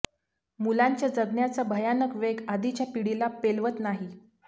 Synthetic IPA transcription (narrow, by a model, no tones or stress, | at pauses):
mulaɲt͡ɕjad͡zəɡnjat͡sabʱəjanəkʋeɡad̪it͡ɕjapiɽilapelʋət̪naɦi